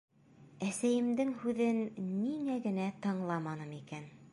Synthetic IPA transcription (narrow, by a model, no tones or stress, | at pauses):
æsæjɘ̆md̪ɘŋhʉðɘnːiŋæɡɘ̆næt̪ɤ̆ɴlˠɑmɑnɤmikæn